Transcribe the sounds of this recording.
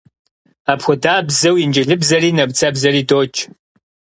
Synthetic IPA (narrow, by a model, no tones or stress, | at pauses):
aːpxʷʊdaːbzɐwjɪnd͡ʒɪɮɨbzɐriːnɐbt͡sʰʼɐbzɐriːdoːt͡ʃʰʼ